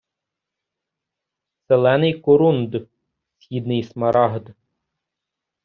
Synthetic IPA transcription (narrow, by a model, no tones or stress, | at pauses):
selˠɛnɪjkɔɾund̪ | sʲxʲid̪nɪjsmɐɾʔɑɦd̪